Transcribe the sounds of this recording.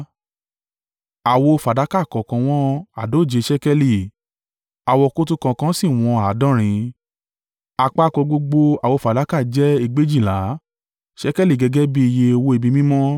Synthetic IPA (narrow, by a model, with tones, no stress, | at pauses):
a˨wo˧fa˨da˨˦ka˦˨kɔ˨kã˧w̃ɔ̃˦a˨do˨˦˨d͡ʒe˧ʃɛ˦kɛ˧li˦˨ | a˨wɔ˧ko˦tu˦kã˧kã˧˦si˦˨w̃ɔ̃˧a˨˦dɔ̃˦ɾ̃ĩ˧ | a˧k͡pa˦kɔ̃˧ɡ͡bo˧ɡ͡bo˧a˨wo˧˨fa˨da˨˦ka˦˨d͡ʒɛ˦i˧ɡ͡be˦d͡ʒi˦˨la˨˦ | ʃɛ˦kɛ˦li˦˨ɡɛ˧ɡɛ˦bi˦i˧je˧o˧wo˧˦e˧bi˧mĩ˦mɔ̃˦